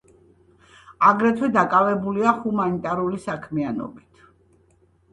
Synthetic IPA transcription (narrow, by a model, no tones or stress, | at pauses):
aɡɾɛt̪ʰwɛd̪akʼavɛbuliahumanit̪ʼaɾulisakʰmianɔ̰bit̪ʰ